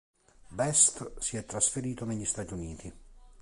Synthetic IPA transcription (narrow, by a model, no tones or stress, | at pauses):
bɛst̪siɛt̪ːɾasfeɾiːt̪oneʎːist̪aːt̪iuniːt̪i